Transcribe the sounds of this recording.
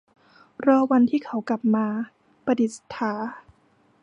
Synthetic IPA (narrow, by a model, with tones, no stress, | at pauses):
ɾɔː˧wa˧nt̪ʰiː˥˩kʰa˩˦wkla˨˩p̚maː˧ | pa˧di˨˩t̪̚st̪ʰːaː˩˦